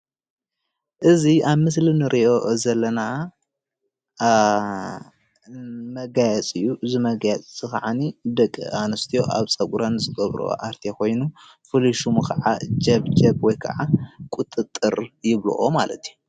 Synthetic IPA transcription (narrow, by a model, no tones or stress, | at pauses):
ʔɨziaβmɨs̬linɨɾʔiʔo̞zɐlːɐna | mɐɡajɛt͡sʼɨjːuʔɨzimɐɡajɛt͡sʼːɨkʰaʕanid̪ɐkʼːɨ̰anɨst̪ʰijo̞ʔa̰βsʼɐɡʼɾɐnzɨɡɐβɾo̰ʔaɾt̪ʰekʰo̞jnu | fɨliʃumkʰɐʕa̰d͡ʒɐβd͡ʒɐbwɔjkʰɐ̰ʕakʷʼʊt̪ʼːɨt̪ʼːɨɾjɪβlṵʔomalɐt̪ʰiju